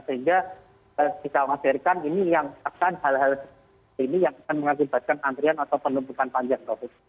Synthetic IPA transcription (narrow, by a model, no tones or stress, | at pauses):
səɦiŋɡa | əkisaŋasirkaninijaŋakanhalɦals | inijaŋakanməŋakiba̤t̪̚kanant̪ɾianat̪awpəlumput̪anpaɲd͡ʒaŋt̪ɔh